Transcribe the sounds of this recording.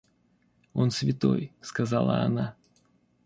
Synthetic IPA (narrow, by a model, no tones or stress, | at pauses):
o̞nsvʲɪt̪o̞̰jskɐzalˠə̰ɐ̰na